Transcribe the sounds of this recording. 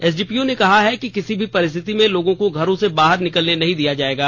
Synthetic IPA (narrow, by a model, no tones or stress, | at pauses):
ɛːs̬ɖiːpiːonekɐɦaɦɛkikɪsibʱipɐɾɪs̬t̪ʰɪt̪imẽloːɡõkoɡʱɐɾõsebaːɦəɾnɪkəlnenɐɦĩd̪ijad͡ʒaːeːɡaː